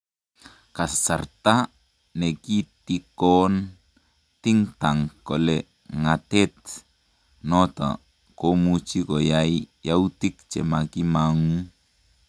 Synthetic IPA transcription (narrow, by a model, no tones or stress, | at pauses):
kassart̪a | nekit̪ikon | t̪iŋt̪aŋkole | ŋat̪ɛt̪̚ | not̪a̰ | komut͡ʃikojaijaut̪ik̚t͡ʃḛmakimaŋu